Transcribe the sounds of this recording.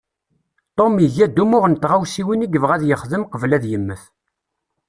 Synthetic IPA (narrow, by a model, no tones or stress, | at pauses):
t̪ˤomiʝæd̪ːumʊʁənt̪ʁawsiwiniɡəvʁæðjəχðəmqəvlæðjəmːəθ